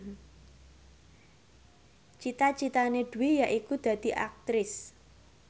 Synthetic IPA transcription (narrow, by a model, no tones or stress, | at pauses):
t͡ʃit̪at͡ʃit̪aneɖ̪̥ṳwijaʔikud̪̥ä̤d̪̥i̤ʔak̚t̪ɾɪs